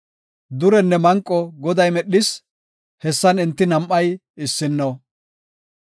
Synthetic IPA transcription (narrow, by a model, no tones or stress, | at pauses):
d̪ʊɾɛnːɛmɐŋkʼːɔɡɔd̪ɐjmɛɗɪs | hɛsːɐnɪnt̪ːɪnɐmʔːɐj | ɪsːɪnːo